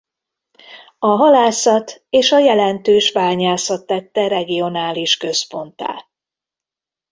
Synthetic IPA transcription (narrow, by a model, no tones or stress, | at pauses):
ɒɦɒlaːsɒt̪eːʃɒjɛlɛnt̪øːʃbaːɲaːsɒt̪ːɛt̪ːɛɾɛɡijo̞naːliʃkø̞spo̞nt̪a̰ː